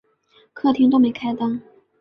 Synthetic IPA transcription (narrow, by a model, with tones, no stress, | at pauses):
kʰɤ˥˩t̪ʰi˥ŋt̪o˥ʊme˧˥ɪkʰa˥ɪt̪ɑ˥ŋ